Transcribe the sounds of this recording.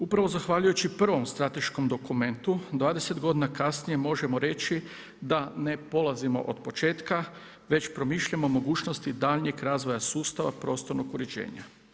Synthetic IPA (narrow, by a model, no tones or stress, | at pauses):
upɾaʋo̞zaxʋaːʎujut͡ʃipr̩ʋo̞mst̪ɾat̪e̞ʃko̞md̪o̞kume̞nt̪ud̪ʋaːd̪e̞se̞t̪ɡo̞d̪inakasnije̞mo̞ʒemo̞ɾe̞t͡ʃi | d̪ane̞po̞lˠazimo̞̰ʔod̪pot͡ʃe̞ːt̪ka | ʋe̞t͡ɕpɾo̞miʃʎamo̞mo̞ɡuːt͡ʃno̞st̪id̪aːʎɲekɾaːzʋo̞jasuːst̪aʋapɾo̞ːst̪o̞ɾnokuɾed͡ʒḛːɲa̰